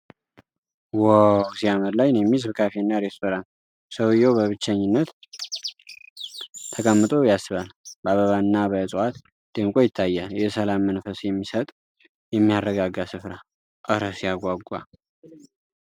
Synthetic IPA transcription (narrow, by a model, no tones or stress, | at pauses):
wəwsiaməɾlajnjɛmːizɨβkʰafenːaɾe̞st̪ʰo̞ɾan | səwɨjːɛwbəβɨt͡ʃːɛɲːɪnːət̪ | t̪ʰəkʼəmːɨt̪ʼo̞jasːɨβalbəaβəβanːabəsʼwat̪ | d̪̥ɨmkʼo̞jɪt̪ʰːajːaljɛsəlamːənfəsjɛmːisət̪ʼ | jɛmːijarːəɡaɡasɨfɾa | ʔəɾəsjaɡʷaɡʷa̰